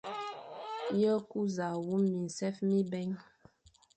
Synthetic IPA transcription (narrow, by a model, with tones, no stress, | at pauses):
jə˦ku˦za˨wu˦mi˨n̩˨sɛ˦fmi˦bɛ˦ŋ